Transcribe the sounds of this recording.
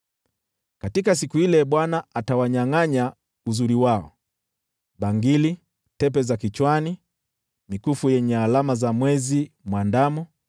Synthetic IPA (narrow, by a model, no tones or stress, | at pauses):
katikas̬ikuhilɛɓwanaʔatawaɲaŋaɲa | uzuɾiwaɔ̰ | ɓaŋɡili | tɛp̬ɛzakit͡ʃwani | mikufujɛɲɛalamazamwɛzimwandamɔ